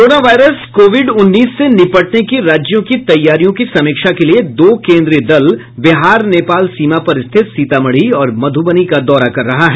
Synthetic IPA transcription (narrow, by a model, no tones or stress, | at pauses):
oɾoːnaʋaːɪɾəskoːʋɪɖʊnːiːsːenɪpəʈnekiɾaːd͡ʒjõkit̪ɐjːaːɾijõkisɐmɪːkʃakelied̪oːkẽːnd̪ɾid̪ɐl | bɪɦaːɾneːpaːlsiːmapɐɾɪst̪ʰɪt̪siːt̪amɐɽ̤iɔːɾmɐd̪ʱubənikad̪ɔːɾakɐɾːɐɦaɦɛː